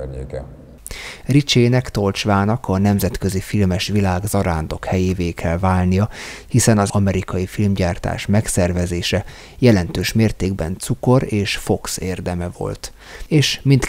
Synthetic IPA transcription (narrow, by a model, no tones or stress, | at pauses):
ɲḛːkɛ̰ | rit͡ʃeːnɛkt̪o̞lt͡ʃʋaːnɒkɒnɛmzɛt̪kø̞zifilmɛʃʋilaːɡzɒɾaːnd̪o̞khɛjeːveːkʰɛlvaːlnijɒhisɛnɒzɒmɛɾikɒjifilmɟaːrt̪a̰ːʃmɛksɛrvɛzeːʃɛ | jɛlɛnt̪øːʃmeːrt̪eːɡbɛ̰nt̪suko̞ɾeːʃfo̞kseːrd̪ɛmɛvo̞̰lt̪ | eːʃmint̪